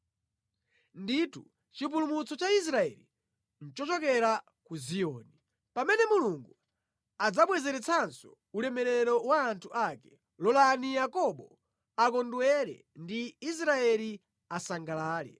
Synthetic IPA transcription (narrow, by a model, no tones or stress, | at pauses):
nditu | t͡ʃipulumut͡sɔt͡ʃais̬ɾaɛ̰li | n̩t͡ʃɔt͡ʃɔkɛɾa | kuzijɔːni | pamɛnɛmuluŋɡu | ad͡zaɓwɛzɛɾɛt͡sʰansɔ | ulɛmɛɾɛɾɔwaːntʰuʔakɛ | lɔlanijakɔɓɔ | akɔndwɛɾɛ̰ | ndiːs̬ɾaɛli | asaŋɡalaːlɛ̰